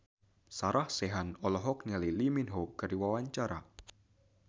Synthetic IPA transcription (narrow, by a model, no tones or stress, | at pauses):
saɾahseɦanɔlɔɦɔk̚naliliminɦoɡaɾiwawaɲt͡ʃaɾa